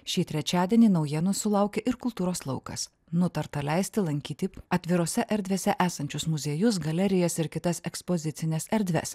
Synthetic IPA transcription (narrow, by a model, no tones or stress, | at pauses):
ʃʲiːt̪ʲɾʲɛt͡ʃʲæːd̪ʲiɛnʲiːnɒʊjɛnʊsʊlˠɐʊkʲeʔɪɾkʊlˠt̪uːɾoːslˠɐʊkɐ̰s | nʊt̪ɐɾt̪ɐlʲɛɪsʲt̪ʲɪlˠɐŋʲkʲiːt̪ʲiɐt̪ʲʋʲɪɾoːsʲɛʔɛɾʲd̪ʲʋʲeːsʲɛʔæːsɐnʲt͡ʃʲʊsmʊzʲeːjʊs̬ɡɐlʲɛɾʲɪjɛːsɪɾkʲɪt̪ɐsɛkspozʲɪt̪sʲɪnʲɛsɛɾʲd̪ʲʋʲɛ̰s